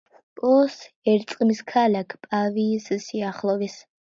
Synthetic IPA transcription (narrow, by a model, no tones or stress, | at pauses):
pʼɔs | ɛɾt̪sʼqʼmiskʰalakʰpʼavisɨsiaχlˠɔvis